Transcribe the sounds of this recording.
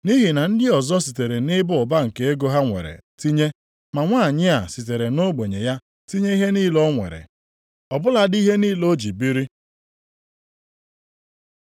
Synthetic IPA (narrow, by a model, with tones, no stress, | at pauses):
ni˦ɦi˨na˨n̩˦dɪ˦ɔ˨zɔ˦si˨te˨ɾe˨nɪ˦bʊ˦ʊ˨ba˦ŋ̩˨ke˨e˦ɡo˦ɦa˦ŋʷḛ˨ɾḛ˨ti˦ɲe˦ | ma˨ŋʷa˦˨ɲɪ˦a˨si˨t̬e˨ɾe˨no˦ɡ͡be˨ɲe˨ja˦ | ti˦ɲe˦i˦ɦe˦niː˦lɔ˦ŋʷḛ˨ɾḛ˨ | ɔ˨bʊ˦la˨di˦ɦe˦niː˦lo˦d͡ʒi˨bi˦ɾi˦